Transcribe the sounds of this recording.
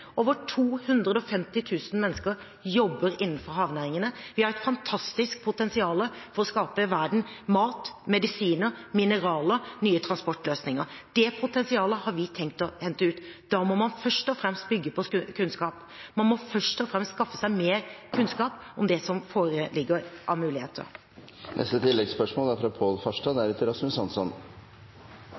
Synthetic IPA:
ʔoːʋəʈʰuːhʉnd̪ɾəd̪əɔfɛmt̪ɪt̪ʰʉːsən̩mɛnːəskəɾ | jɔbːəɾɪnːn̩fɔɾɦɑːʋnæːɾɪŋənəʋɪhɑɾæɛt̪fɑnt̪ʰɑst̪ɪsk̚pʰʊt̪ɛnsɪɑːləfɔɾɔskɑːpəʋæɖɳ̩mɑːt̪mɛd̪ɪsiːnəɾmɪnəɾɑːlənyːət̪ʰɾɑnspɔʈːløːsnɪŋəɾd̪̥ɛpʰʊt̪ɛnsɪɑːləhɑɾʋɪt̪ʰɛŋkt̪ɔhɛnt̪əʉːt̪d̪̥ɑːmɔmɑnfœʂʈɔfɾɛmst̪̚bʏɡːəpʰɔkʰʉnskɑːp | mɑnmɔfœʂʈɔfɾɛmst̪skɑfːə̥sæɪmeːɾkʰʉnskɑːp | ɔmd̪ɛsɔmfoːɾəlɪɡːəɾʔɑmʉːlɪhḛːt̪ʰə̰ɾ | nʔɛ̰st̪ət̪ʰɪlːɛɡspœʂmoːlæɾfɾɑpʰoːlfɑʂʈɑd̪æɾʉt̪ɪɾɑsmʉsɑnsɔn

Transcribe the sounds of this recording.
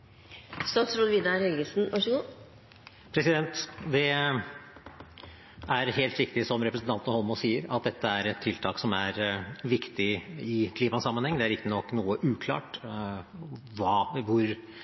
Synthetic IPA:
st̪ɑːt̪sɾuːd̪ʋiːd̪ɑɾhɛlɡəsn̩ʋɑʂəɡu | pʰɾɛsɪd̪ɛnt̪d̪ɛ | æɾheːlt̪ʋɪkt̪ɪsɔmɾɛpɾəsn̩t̪ɑnt̪ənəhɔlmɔsiːəɾɑ̰t̪̚d̪ɛt̪ːəæɾɛt̪ʰːɪlt̪ʰɑːksɔmæɾʋɪkt̪ɪɪkʰliːmɑsɑmːənhɛŋd̪ɛæɾɪkk̪ːənɔkːnuːəʔʉːkʰlɑ̰ːʈ | ʋɑːʋʊɾ

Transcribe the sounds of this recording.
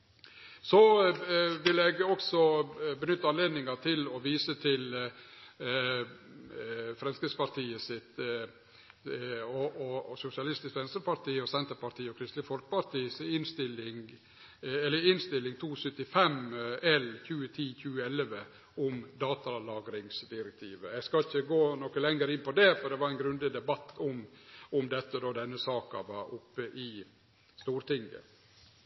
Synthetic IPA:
sɔ | ʋɪlɛɡɔksɔbənʏt̪ːəɑnleːd̪nɪŋɑt̪ʰɪlɔʋiːsət̪ʰɪl | fɾɛnskɾɪspɑɾʈ̪iːəsɪt̪ | ɔɔsʊsɪɑlɪst̪ɪskʋɛnsɾəpɑɾʈ̪iːɔsɛnt̪əɾpɑʈ̪ʰiːɔkʰɾɪst̪lɪfɔlkə̥pɑɾt̪iːsɔɪnst̪ɪlɪŋ | ɛlːəɪnst̪ɪlːɪŋt̪ʰuːsœt̪ɪfɛmɛlçʉːət̪ʰiːçʉːəɛlʋə | ʊmd̪ɑːt̪ɑlɑːɡɾɪŋsd̪ɪɾɛk̚t̪ʰiːʋəjæskɑlɪçəɡoːnɔkəlɛŋəɾɪnpɔd̪ɛfɔɾɖ̪ɛʋɑɾæɪnɡɾʉnd̪ɪd̪ɛbɑt̪ʰːʊmʊmd̪ɛt̪ːəd̪oːd̪ɛnːəsɑːkɑ̰ʋɑɾʔʊpːəʔɪ | st̪uːɾt̪ɪŋɡə̰

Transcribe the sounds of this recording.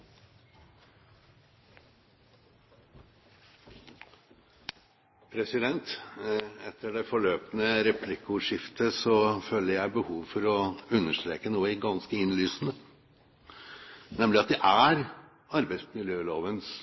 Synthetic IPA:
pʰɾɛsɪd̪ɛnt̪ | ɛt̪ʰːəɖɛfɔɭøːpənəɾɛpʰlɪkːʊʂɪft̪ʰəsɔføːləɾjæɪbəhuːʋfɔɾɔʉnːəʂt̪ɾeːkənuːəɡɑnskəɪnlyːsnə | nɛmlɪɑt̪̚d̪ɛʔæɾ | ɑɾbæɪsmɪljøːloːʋəns

